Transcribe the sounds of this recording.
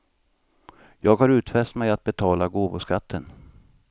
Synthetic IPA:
jɑːɡhaɾʉ̟ːt̪fɛst̪mɛjat̪̚bɛt̪ʰɑːlaɡoːvʊskat̪ʰːən

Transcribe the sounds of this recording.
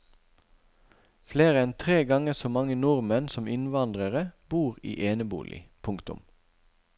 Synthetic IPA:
fleːʁəɛnt̪ʰʁeːɡɑŋəsoːmɑŋənʊʁmənsɔmɪnʋɑnd̪ʁəʁəb̥uːʁḭːʔeːnəbṵːlʔɪ̰pʰʊŋkt̪ʊ̰m

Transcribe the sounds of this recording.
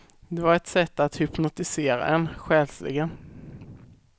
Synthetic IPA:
d̪ɛvaɾɛt̪sɛt̪ːat̪hʏpnʊt̪ɪseːɾa̰ɛnɧɛːlslɪ̰ɡən

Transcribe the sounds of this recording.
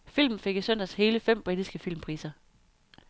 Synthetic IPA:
fil̰mn̩fe̝ɡ̥isœn̰d̥æshe̝ːləfem̰b̥ʁid̥isɡ̥əfilmpʰʁḭːsɐ

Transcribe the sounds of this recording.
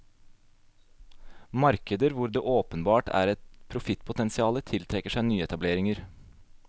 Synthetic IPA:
mɑɾkəd̪əɾʋʊɾd̪eːʔoːpənbɑːʈæ̰ːɾɛt̪pʰɾʊfɪt̪pʰʊt̪ɛnsɪɑːlət̪ʰɪlt̪ʰɾɛkəʂæɪnyːəɛt̪ɑbleːɾɪŋəɾ

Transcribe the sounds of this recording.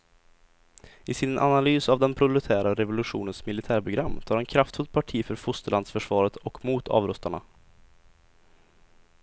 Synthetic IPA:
ɪsɪnʔa̰nalyːsavd̪ɛnpʰɾʊlɵt̪ʰæːɾaɾɛvʊlɵɧṵːnənsmɪlɪt̪ʰæːɾpʰɾʊɡɾamːt̪ʰɑːɾɛnkʰɾaft̪fɵlt̪̚pʰaʈʰiːfœɾfʊst̪əɭand̪sfœʂvɑːɾət̪ɔkmuːt̪ʰɑ̰ːvɾɵst̪aɳa̰

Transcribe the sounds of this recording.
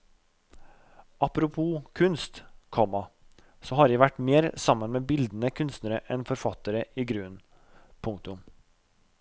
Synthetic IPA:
ʔɑpɾʊpʰuːkʰʉnst̪kʰɔmɑ | sɔɦɑɾjæʋæʈːmeːɾsɑmːənmeːbɪld̪nəkʰʉnst̪nəɾəʔɛnfɔɾfɑt̪əɾəiːɡɾʉːn | pʰʊŋkt̪ʊm

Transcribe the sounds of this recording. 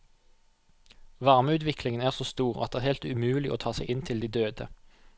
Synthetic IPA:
ʋɑʁməʉːt̪ʋɪklɪŋənæːʁsoːst̪uːʁɑ̰d̪ɛːʁhɛlt̪ʉmʉːlɪʔo̰ːt̪ʰɑːsɛɪʔɪnt̪ʰɪld̪iːd̪øːd̪ə

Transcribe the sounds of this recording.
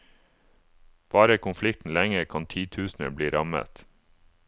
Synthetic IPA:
ʋɑːɾəkʰʊnflɪk̚t̪n̩læŋəɾkʰɑnt̪ʰiːt̪ʰʉːsn̩ə̰bliːɾɑmə̰t̪

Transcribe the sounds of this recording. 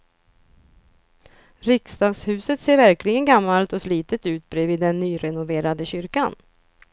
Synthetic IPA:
ɾɪkst̪ɑːɡshʉ̟ːsət̪seːɾvæɾklɪɡənɡamːalt̪ɔsliːt̪ət̪ʉ̟ːt̪̚bɾɛːvɪːd̪ːɛnːyːɾɛnʊveːɾad̪əɕʏɾkan

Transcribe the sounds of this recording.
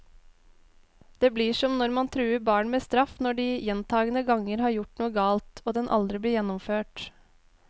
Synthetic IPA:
d̪̥eːbliːʂɔmnɔɾmɑnt̪ʰɾʉːəɾbɑːɳmeːst̪ɾɑfnɔɖiːjɛnt̪ʰɑːɡənəɡɑŋəɾhɑːɾjʊʈnuːəɡɑːlt̪ʰoːd̪ɛnʔɑ̰ld̪ɾɪbliːjɛnːɔmføːʈ

